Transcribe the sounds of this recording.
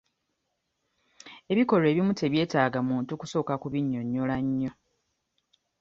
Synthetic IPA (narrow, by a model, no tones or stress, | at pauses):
e̞βiko̞le̞ːβimute̞βje̞ːtaːɡamuːntukuso̞ːkakuβiɲːo̞ɲːolaɲːo̞